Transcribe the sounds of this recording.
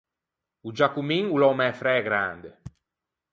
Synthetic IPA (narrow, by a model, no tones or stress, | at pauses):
ud͡ʒakumiŋulɔmɛfɾɛɡɾa̰nd̪e